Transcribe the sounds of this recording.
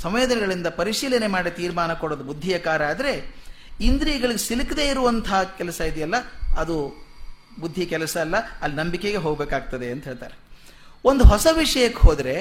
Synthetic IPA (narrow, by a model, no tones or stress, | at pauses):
sɐmʋeːd̪ɐnɛɡɐɭind̪ɐpɐɾiʂiːlɐne̞maːɽit̪iːɾmaːnɐkoɽoːd̪ubud̪ʱːijɐkaːɾɐaːd̪ɐɾe̞ | ind̪ɾiːɡɐɭiɡesilikɐd̪e̞ːiɾuʋɐnt̪ʰɐɦkɛlɐsɐid̪ɛjɐlːɐɐd̪u | bud̪ʱːikɛlɐsɐːlːɐːlːinɐmbikeɡe̞ɦoːɡbe̞ːkaːɡ̚t̪ɐd̪e̞ɐnt̪ɐɦeːɭt̪a̰ːɾe | ond̪uɦɔsɐʋiʂɐjɐkːeɦoːd̪ɐɾe̞